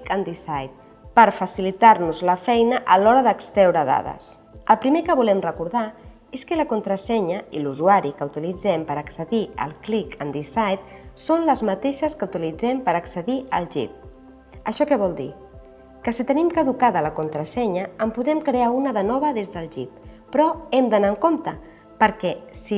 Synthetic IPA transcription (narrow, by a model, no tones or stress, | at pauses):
ənd̪isajt̪̚ | pəɾfəsilit̪aɾnuzləfɛjnəʔəlɔɾəðəkst̪ɾɛwɾəða̰ðə̰s | əlˠpɾimekəβulɛmrəkuɾða | eskələkunt̪ɾəsɛɲəiluzuaɾikəut̪ilid͡zɛmpəɾəksəðiə̰lˠklikənd̪isajt̪sonləzmət̪eʃəskəut̪ilid͡zɛmpəɾəksəðiəlˠʒḭp̚ | əʃɔkɛβɔlˠd̪ḭ | kəsit̪ənimkəðukaðələkunt̪ɾəsɛɲəəmpuðɛmkɾeaunəðənɔβ̞əðezðəlˠʒip̚ː | ɾɔɛmd̪ənaəŋkomt̪ə | pəɾkɛsi